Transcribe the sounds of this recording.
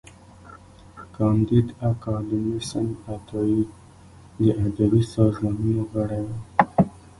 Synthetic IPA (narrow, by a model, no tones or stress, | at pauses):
kɑnd̪id̪akɑlumisanat̪ɑi | d̪əʔad̪abisɑzmɑːnunoɣaɽajwa